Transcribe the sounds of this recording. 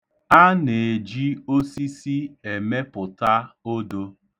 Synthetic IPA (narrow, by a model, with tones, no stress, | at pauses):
a˦ne˨e˨d͡ʒi˦o˦si˦si˦e˨me˦pʊ˨ta˦o˦do˦